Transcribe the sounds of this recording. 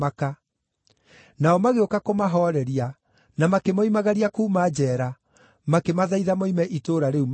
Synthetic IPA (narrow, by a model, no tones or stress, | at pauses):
aka | naɔmaɣeokakomaɦɔɾɛɾia | namakemoimaɣaɾiakuːmad͡ʒɛːɾa | makemaðaiðamoimɛʔitoɾaɾeum